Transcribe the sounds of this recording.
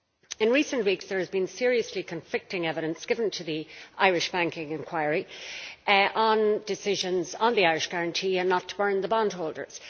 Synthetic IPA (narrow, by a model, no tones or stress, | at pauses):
ɪ̃nɹisə̃nʔwiksðə˞ɨzbĩnsɪɹiəslikʰə̃ɱflɪk̚tɪ̃ŋɛvɪɾə̃nsɡ̥ɪvə̃ntʰəðiʔaɪɹɪʃb̥æ̃ŋkɪ̃ŋɪ̃nkʰw̥aɪəɹi | ʔə̃ndɪsɪʒə̃nzə̃nðiaɪɹɪʃɡ̥aɹə̃ntʰiːə̃nːətʰə̥bɜ̃˞nðəbɑ̃ndɦoʊlˠdə̰˞z̥